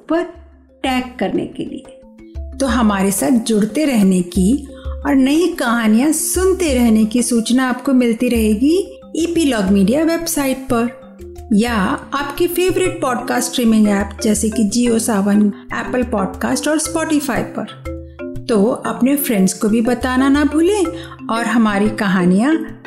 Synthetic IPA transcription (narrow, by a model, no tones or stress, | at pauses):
pɐɾ | ʈɛːkːɐɾnḛkḛlḭe | t̪oɦɐmaːɾesaːt̪̚ʰd͡ʒʊɽt̪eɾɛɦnekiɔːɾnɐĩkɐɦaːnijãsʊnt̪eɾɛɦnekisuːt͡ʃnaːpkomɪlt̪iɾɐɦeːɡi | iːpilɔːɡmiːɖijaʋeːbsaːɪʈ̚pɐɾ | jaaːpkifeːʋɾɪʈ̚pɔːɖkaːsʈɾiːmɪ̃ŋɡɛːpd͡ʒɛːsekid͡ʒiːoːsaːʋənɛːpəlpɔːɖkaːsʈɔːɾspɔːʈɪfaːipɐɾ | t̪oɐpnefʰɾɛ̃ɳɖskobʱibɐt̪aːnanabʱʊːle | ɔːɾɦɐmaːɾikɐɦaːnijã